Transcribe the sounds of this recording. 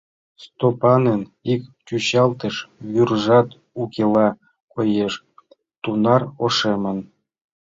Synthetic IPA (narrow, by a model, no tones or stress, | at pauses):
st̪opɑnenikt͡ɕuɕɑlˠt̪ə̆ʃβyrʐɑt̪ | ukʲelˠɑ | kojeʂ | t̪unɑroʂemə̆n